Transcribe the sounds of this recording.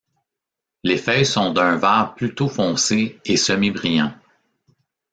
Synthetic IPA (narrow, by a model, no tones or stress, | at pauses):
lefœjsɔ̃d̪ə̃vaːʁplyt̪ofɔ̃ːseesəmebʁijɑ̃